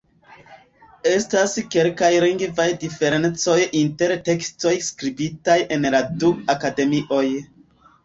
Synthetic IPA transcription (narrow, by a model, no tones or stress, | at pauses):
e̞staske̞lkajliŋɡvajdife̞ɾe̞nt͡so̞jinte̞ɾte̞ksto̞jskɾibitajʔe̞nladuakade̞miʔo̞j